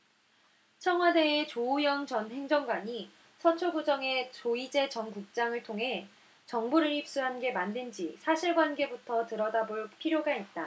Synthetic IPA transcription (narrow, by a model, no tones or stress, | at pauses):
t͡ɕʰʌŋɦwade̞ːt͡ɕoujʌŋt͡ɕʌnɦe̞ŋd͡ʑʌŋɡwaɲi | sʰʌt͡ɕʰoɭɡud͡ʑʌŋe̞t͡ɕoid͡ʑe̞t͡ɕʌŋkuk̚t͡ɕ͈aŋɯɭtʰoŋɦe̞ | t͡ɕʌŋbuɾɯɭhip̚s͈uɦanɡe̞mandɯnd͡ʑisʰaɕʰiɭɡwanɡe̞butʰʌtɯɾʌdaboɭpʰiɾjoɡait̚t͈a